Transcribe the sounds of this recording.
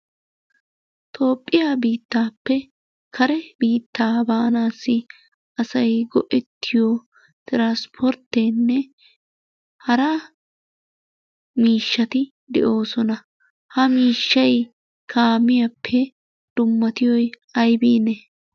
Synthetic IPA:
t̪ʰo̞ːpʼːɪjaːbiːt̪ːaːpːɛ | kʰɐɾɛbiːt̪ːaːbaːnaːsːɪ | ɐsɐjɡɔʔɛt̪ʰːɪjo | t̪ɪɾaːspʰɔɾt̪ːɛnːɛ | hɐɾa | miːʃːɐt̪ɪ | d̪ɛ̰ʔo̞ːsɔnɐ | hɐmiːʃːɐj | kʰaːmɪjɐpʰːɛ | d̪̥ʊmːɐt̪ɪjɔj | ɐjbiːnɛ

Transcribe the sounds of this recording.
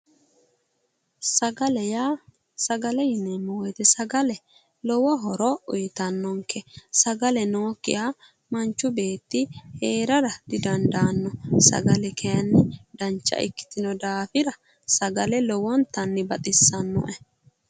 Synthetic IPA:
sɐɡɐlɛjaː | sɐɡɐlɛjɪnɛmːɔwɔjt̪ɛsɐɡɐlɛ | lɔwɐɦɔɾɔʊjɪt̪ɐnːɔŋkʰːɛsɐɡɐlɛno̞ːkːɪ̰jaː | mɐnt͡ʃːʊbe̞ːt̪ːɪheːɾɐɾɐd̪̥ɪd̪ɐnd̪aːnːɔsɐ̰ɡɐlɛkʰɛjɐnːɪd̪ɐnt͡ʃːɐ̰ʔɪ̰kːɪ̥t̪ɪnɔd̪aːfɪɾɐ | sɐɡɐlɛlɔwɔnt̪ɐnːɪbɐt̪ʼɪsːɐnːɔ̰ʔɛ

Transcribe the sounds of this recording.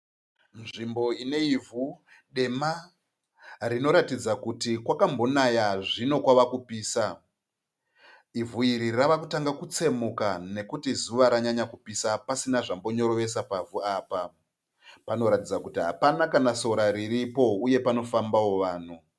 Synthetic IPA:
nʐimbo̞ine̞ivʱu | ɗe̞ma | rino̞ɾatid͡zakutikwakambo̞najaʐino̞kwaʋakupiːsa | ivuiɾiraʋakutaŋɡakut͡se̞mukane̞kutizuʋaɾaɲaɲakupisapasinaʐambo̞ɲo̞ɾo̞ʋe̞s̬apavuaːpa | pano̞ɾatid͡zakutiɦapanakanaso̞ɾaɾiɾipo̞uje̞pano̞fambao̞ʋaːn̤u

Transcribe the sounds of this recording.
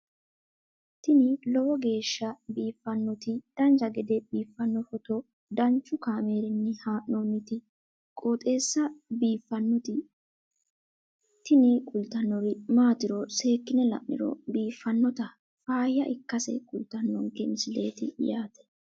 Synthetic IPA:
t̪ɪnɪlɔwɔɡe̞ːʃːɐbiːfːɐnːɔt̪ɪd̪̥ɐnd͡ʒɐɡɛd̪ɛb̥iːfːɐnːɔfɔt̪ɔ | d̪ɐnt͡ʃːʊkaːmeːɾɪnːɛhaːʔnoːnːɪt̪ɪ | kʼoːt̪ʼe̞ːsːɐbiːfːɐnːɔt̪ɪ | t̪ɪnɪkʼʊlt̪ɐnːɔɾɪmaːt̪ɪɾɔse̞ːkːɪnɛlɐ̰ʔnɪ̰ɾɔ̰biːfːɐnːɔt̪ɐ | faːjːɐʔɪkːɐsɛ̰kʼʊlt̪ɐnːɔŋkɛnsɪle̞̰ːt̪ɪjaːt̪ɛ̥

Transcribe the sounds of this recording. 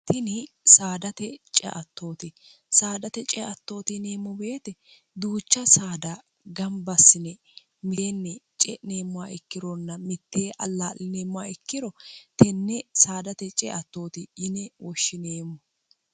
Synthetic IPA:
t̪ɪnɪsaːd̪ɐt̪ɛt͡ʃʼɛ̰ʔɐt̪ːo̞ːt̪ɪ | saːd̪ɐt̪ɛt͡ʃʼɛʔɐt̪ːo̞ːt̪ɪne̞ːmːɔbe̞ːt̪ɛ | d̪uːt͡ʃːɐsaːd̪ɐ | ɡɐmbɐsːɪnɛ | mɪeːnːɛt͡ʃʼɛ̰ne̞ːmːʊwaɪkːɪɾɔnːɐmɪt̪ːeːʔɐlːaːlɪneːmːʊaɪkːɪɾɔt̪ɛnːɛsaːd̪ɐt̪ɛt͡ʃʼɛ̰ʔɐt̪ːo̞ːt̪ɪjɪnɛwɔʃːɪneːmɔ

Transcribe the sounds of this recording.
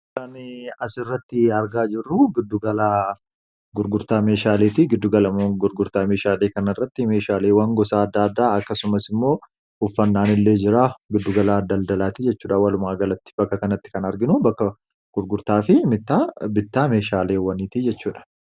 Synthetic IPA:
kɐnɐsɪrːɐt̪ːɪɐɾɡaːd͡ʒɪrːʊɡɪd̪ːʊɡɐlaː | ɡʊɾɡʊɾt̪aːme̞ːʃaːleːt̪ɪɡɪd̪ːʊɡɐlɐɡʊɾɡʊɾt̪aːme̞ːʃaːle̞ːkɐnɐɪrːɐt̪ːɪme̞ːʃaːle̞ːwɐŋɡɔsaːɐd̪ːaːɐd̪ːaːɐkːɐsʊmɐsɪmːo̞ː | ʊfːɐnːaːnɪlːeːd͡ʒɪɾaːɡɪd̪ːʊɡɐlaːd̪ɐld̪ɐlaːt̪ɪd͡ʒɛt͡ʃːuːᶑɐwɐlʊmaːɡɐlɐt̪ːɪ̥b̥ɐkːɐkɐnɐt̪ːɪ̥kɐnɐɾɡɪnʊbɐkːɐ | ɡ̥ʊɾɡʊɾt̪aːfɪmɪt̪ːabɪt̪ːaːme̞ːʃaːle̞ːwɐniːt̪id͡ʒɛt͡ʃːuːᶑɐ̥

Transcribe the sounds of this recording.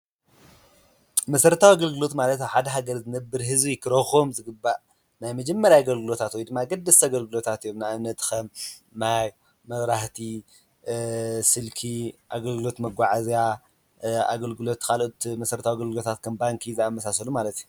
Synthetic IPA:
mɐsɐɾt̪ʰawiaɡɐlɡɨlo̞t̪malɐt̪aħad̪ɐɦaɡɐɾzɨnɐbːɨɾɦɨzbikʰɨɾɐxomzɨɡɨbːaʔ | najmɐd͡ʒɛmːɐɾjaɡɐlɡɨlo̞t̪ʰat̪wɔjd̪ɨmːaɡɐd̪ːɐsaɡɐlɡɨlo̞t̪ʰat̪ijomnajamnɐt̪xɐmːaj | mɐβɾaht̪ʰi | sɨlkʰiʔaɡɐlɡɨlo̞t̪mɐɡʷaʕazja | a̰ɡɐlɡɨlo̞t̪kʰalʔot̪mɐsɐɾɐt̪ʰawiaɡɐlɡɨlo̞t̪ʰat̪̚kʰɐmbaŋkʰizaamːɐsasɐlumalɐt̪ju

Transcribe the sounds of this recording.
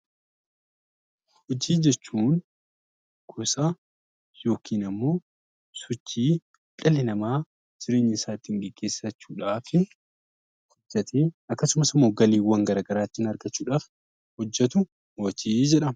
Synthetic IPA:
hɔd͡ʒiːd͡ʒɛt͡ʃːuːn | ɡ̥ʰosaː | jo̞ːkʰiːnɐmːo̞ː | sɔt͡ʃːiː | kʼɐlɪnɐmaː | d͡ʒɪɾe̞ːɲːɪsaːt̪ːiɪŋɡɛɡ̥ːe̞ːsɐt͡ʃːuːᶑaːfɪ | hɔd͡ʒːɐt̪eːɐkːɐsʊmɐsɪmːoːɡɐliːwːɐŋɡɐɾaːɡɐɾaːt̪ːɪɪnɐɾɡɐt͡ʃːuːᶑaːf | hɔd͡ʒːɛt̪ʊ | wɔt͡ʃiːd͡ʒɛᶑɐ

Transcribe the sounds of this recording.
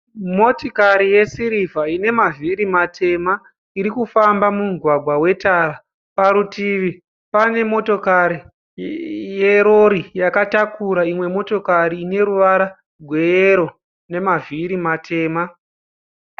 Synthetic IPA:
mo̞tokaɾije̞siɾivʱaine̞maviɾimatʰe̞ma | iɾikufambamuɡʱwaɡʱwawe̞taːɾa | paɾutiʋi | pane̞mo̞to̞kaɾi | je̞ɾo̞ɾijakatakuɾaimwe̞mo̞to̞kaɾiːne̞ɾuʋaɾa | ɡʱwe̞jeɾo̞ | ne̞maviɾimatʰe̞ːma

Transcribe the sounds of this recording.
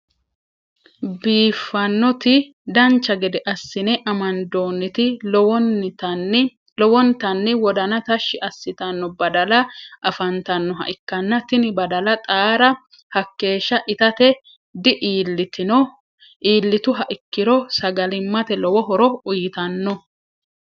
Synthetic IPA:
biːfːɐnːɔt̪ɪ | d̪ɐnt͡ʃːɐɡɛd̪ɛʔɐsːɪnɛʔɐmɐnd̪o̞ːnːɪt̪ɪ | lɔwɔnt̪ɐnːɪwɔd̪ɐnɐt̪ɐʃːɪʔɐsːɪt̪ɐnːɔbɐd̪ɐlɐʔɐfɐnt̪ɐnːɔɦɐ̰ʔɪkːɐnːɐt̪ɪnɪbɐd̪ɐlɐt̪ʼaːɾɐ | hɐkːe̞ːʃːɐʔɪt̪ɐt̪ɛ | d̪ɪʔiːlːɪt̪ɪnɔ | ʔiːlːɪt̪ʊɦɐʔɪkːɪɾɔsɐɡɐlɪmːɐt̪ɛlɔwɔɦɔɾɔʊjɪt̪ɐnːɔ

